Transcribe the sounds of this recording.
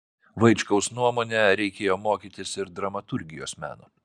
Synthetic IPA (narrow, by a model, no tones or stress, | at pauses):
ʋɐɪt͡ʃkɐʊsnuɔmoːnʲɛɾʲɛɪkʲeːjoːmoːkʲiːt̪ʲɪsɪɾd̪ɾɐmɐt̪ʊɾʲɡʲɪjoːsmʲæ̰ːnoː